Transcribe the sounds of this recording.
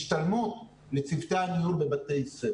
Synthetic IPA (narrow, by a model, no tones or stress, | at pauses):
ʃt̪almut | let͡sivt̪eamihuɾbe̞bat̪ejise